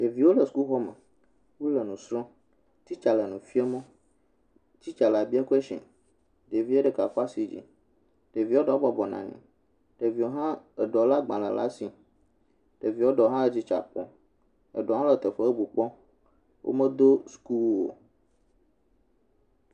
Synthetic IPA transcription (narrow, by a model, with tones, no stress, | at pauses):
ɖe˨vi˨˦wo˦lə˨su̥˨˦ku˦ɦɔ˦mḛ˨ | wu˦lə˨nũ˨sɾɔ̃˦ | t̪i˦t͡ʃa˨lə˨nũ˨fi˦ɛ˦mɔ̃˦ | t͡ɕi˦t͡ʃa˨la˨bi˦a˦ku˦e˦ʃɛ̰̃˨ | ɖe˨vi˦e˦ɖe˨ka˨fɔ˦a˦si˨d͡ʑḭ˨ | ɖ̥e˨vi˨˦wo˦ɖɔ˦bɔ˦bɔ˨nã̰˨ɲɛ̰̃˨ | ɖ̥e˨vi˨wo˦ɦã˦e˨ɖɔ˨la˦ɡ͡bã˨lə̰˨la̰˦si˨ | ɖ̥e˨vi˨˦wo˦ɖɔ˨ɦã˦e˨d͡ʑi˦t͡ʃa̰˨k͡pɔ̰˦ | ḛ˨ɖɔ˨ɦã˦lə˨t̪ə˨ɸə˦o˦bu˨k͡pɔ̃˦ | wʔo̰˦mə̃˦d̪o˦sku˦wo̰˨